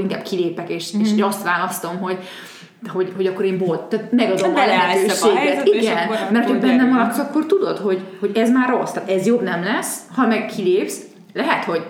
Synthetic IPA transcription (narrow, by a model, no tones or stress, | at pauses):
iŋka̰ːb̥kʰileːpɛkeːʃeʃɾost̪ʋaːlɒst̪o̞mɦo̞ɟ | ho̞ɟho̞ɟɒkːo̞ɾeːmbolt̪t̪aːt̪mɛɡɒd̪omhɒlɛɦɛøːʃeːɡɛt̪iɡɛnmɛrt̪hobɛnːɛmɒlɒt̪zɒkːort̪ud̪o̞t̪ho̞ɟho̞ɟɛzmaːrːo̞st̪aːt̪ɛzjobnɛmlɛshɒmɛɡkʰileːps | lɛɦɛt̪ho̞ɟ